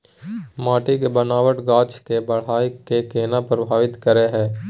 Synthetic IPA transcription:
maːʈɪkbənaːʋəʈɡaːt͡ʃkebɐɽ̤aːikekeːnapɾəbʱaːʋɪt̪kəɾeɦɛ̃ː

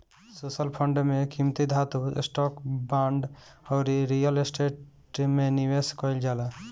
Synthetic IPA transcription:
sosəlpʰəɳɖmẽkimt̪id̪ʱat̪ṵsʈɔːkbãːɳɖɔʊɾiɾijəlesʈeːʈ | meniweskɔɪld͡ʒaːla

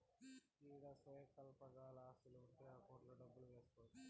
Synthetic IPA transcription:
kiːɽɐsɐjkɐlpɐɡaːlɐaːsiluuɳʈeːaːkoːʈlɐːɖɐbːuluʋe̞ːsu̥t̪oːd̪i

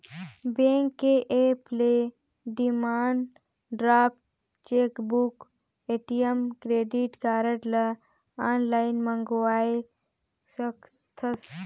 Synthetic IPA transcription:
bẽːŋkːeʔeple | ɖimaːɳɖ | ɖɾaːp̚t̪ | t͡ʃeːkbuk | eːʈijəmkɾeːɖiʈkaːɾəʈlɐ | aːnlaːɪnməŋɡoaːe | sək | t̪ʰəs

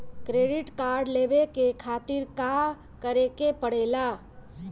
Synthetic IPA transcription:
kɾeːɖɪʈkaːɾɖleːbekekʰaːt̪ɪɾka | kəɾekepəɽ̤eːla

